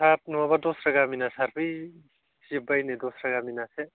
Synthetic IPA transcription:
sap̚nuabadosɾaɡaminasaɾbɯj | sibajnidɔsɾaɡaminase

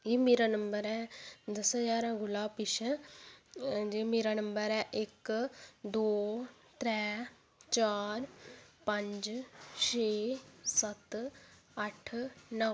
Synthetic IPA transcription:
iːmeːɾaːnəmbəɾɛːd̪əsəd͡ʒaːɾãːɡʊlaːpɪʃə | d͡ʒeːmeːɾaːnəmbəɾɛːʔɪk | d̪oː | t̪ɾɛː | t͡ʃaːɾpə̃ɲd͡ʒʃeːsət̪ | əʈʰnə

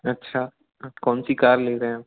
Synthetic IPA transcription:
ɐtːɕʰaː | konsikaːɾleːɾẽ

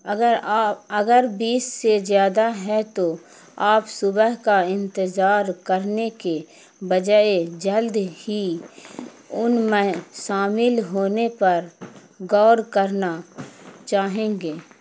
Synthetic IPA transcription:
əɡəɾbiːsːezjaːd̪aɦɛt̪o | aːpsʊbəɦkaɪ̃nt̪əzaːɾkəɾneke | bəd͡ʒaed͡ʒəld̪hi | ʊnmẽʃaːmɪlɦoːnepɐɾ | ɡɔːɾkəɾna | t͡ʃaːɦẽːɡeː

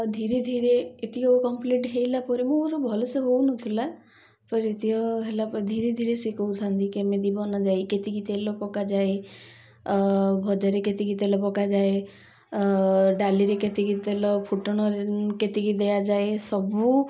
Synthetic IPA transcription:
d̪ʱiɾed̪ʱiɾeːt̪iɔkɔmpliʈɦejlapɔɾimuɾɔbʱɔloseɦownɔt̪ʰila | pɔɾet̪iɔɦelapɔid̪ʱiɾed̪ʱiɾesikɔwt̪ʰant̪ʰikemẽd̪ibɔnad͡ʒajket̪ikit̪elɔpɔkad͡ʒae | bʱɔd͡ʒaɾeket̪ikit̪elɔpɔkad͡ʒae | ɖaliɾeket̪ikit̪elɔpʰuʈɔɽ̃ɔɾeket̪ikid̪ejad͡ʒaesɔbu

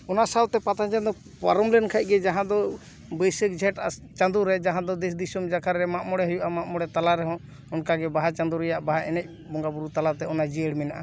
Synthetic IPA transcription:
ɔnasawt̪ɛpat̪ad͡ʒɛnd̪ɔ | pa̰ɾɔmlɛnkʰac̚ˀɡɛd͡ʒaɦãd̪ɔ | bəjsək̚d͡ʒʱɛʈat͡ʃãnd̪uɾɛd͡ʒaɦãd̪ɔd̪ɛs̬d̪isumd͡ʒakʰaɾɾɛmaʔmɔɽɛɦɔjuʔamaʔmɔɽɛt̪alaɾɛɦɔ̃ | ɔnkaɡɛbaɦat͡ʃand̪uɾɛjaʔbaɦaɛnɛc̚ | bɔŋɡabuɾut̪alat̪ɛɔnad͡ʒɛəɽmɛnaʔa

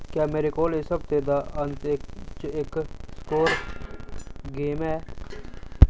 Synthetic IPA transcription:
kjaːmeːɾekoːlesɐb̚t̪eːd̪aːɐnt̪et͡ʃeːkskoːɾ | ɡeːmɛː

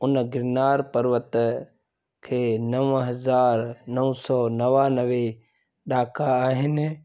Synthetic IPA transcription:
ʊnɡɪɾnaːɾpəɾʋət̪ | kʰeːnɐʋɦɐzaːɾnɐʊ̃sɔnɐʋanɐʋe | ɗaːkʰaːɦɪnɪ

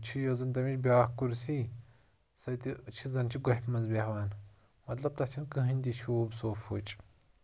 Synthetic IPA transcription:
t͡ʃʰijozɨnt̪ɐmit͡ʃbʲaːhkuɾsi | sɐt̪it͡ʃʰizɐnt͡ʃʰiɡɐħʲpʰmɐzbʲɐhʋaːn | mɐt̪lɐb̚t̪ɐt͡ʃʰinkɨɦɨnʲd̪it͡ʃʰiobsoːfʰuːt͡ʃʼ

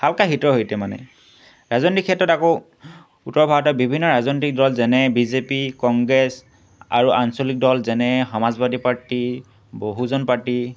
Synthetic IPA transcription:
halkaxitɹɔɦojtɛmanɛ̰ | ɹazɔntikʰɛtːɔtako | utɔɹbʱaɔtɔbibʱinːɔɹazɔntik̚dɔlzɛnɛbizepikɔŋɡɹɛs | a̰ɹuʔansɔlik̚dɔlzɛnɛxɔmazbadʱipaɹti | boɦuzɔnpaɹti

